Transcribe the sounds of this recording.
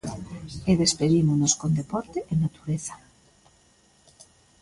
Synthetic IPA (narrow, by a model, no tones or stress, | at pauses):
eðespeðimonoskond̪epɔɾt̪eʔenat̪u̥ɾeθḁ